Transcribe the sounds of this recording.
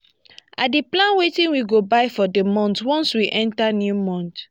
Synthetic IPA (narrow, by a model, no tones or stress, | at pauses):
adiplãnwetĩnwiɡobaɪfɔdemɔ̃ntwɔ̃nswiʔɛ̃ntanjumɔ̃nt